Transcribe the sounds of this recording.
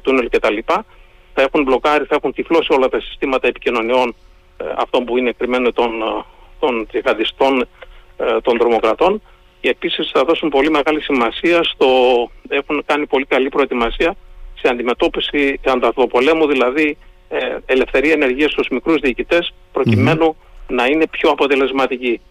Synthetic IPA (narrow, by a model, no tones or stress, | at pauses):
t̪unelce̞t̪ɐlipɐ | θɐe̞xunblo̞kɐɾiθɐe̞xunt̪iflo̞sio̞lɐt̪ɐsi̥st̪imɐt̪ɐe̞picino̞nio̞n | ɐ̰ft̪o̞mbuineːkɾime̞not̪on | t̪o̞nt̪ziɣɐd̪ist̪o̞n | t̪o̞nt̪ɾo̞mo̞kɾɐt̪o̞n | ceːpisisθɐðo̞sumpo̞lime̞ɣɐlisimɐsiɐst̪o̞e̞xunkɐnipo̞likɐlipɾo̞et̪imɐsiɐseɐnd̪ime̞t̪o̞pisiɐnd̪ɐft̪o̞po̞le̞muðilɐði | ele̞fθe̞ɾiɐene̞ɾʝiɐst̪uzmikɾuzðiːcit̪e̞s | pɾo̞cime̞nunɐine̞pço̞ɐpo̞t̪ele̞zmɐt̪ici